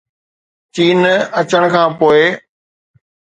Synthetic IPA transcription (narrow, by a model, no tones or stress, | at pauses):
t͡ɕiːnɐt͡ɕəɽ̃kʰãːpoːɪ